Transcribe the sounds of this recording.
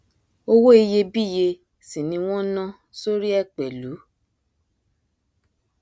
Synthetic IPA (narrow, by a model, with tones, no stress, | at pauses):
o˧wo˦i˧je˧bi˦˨je˧ | si˨nĩ˧w̃ɔ̃˦nã˦ | so˦ɾi˦ɛ˦˨k͡pɛ˨lu˨˦